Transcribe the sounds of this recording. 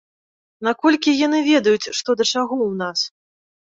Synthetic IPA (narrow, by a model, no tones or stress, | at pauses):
nakɔlʲkʲijan̪ɨvʲɛd̪ɐjut͡sʲʂt̪ɔd̪ɐt͡ʂaɣɔwnas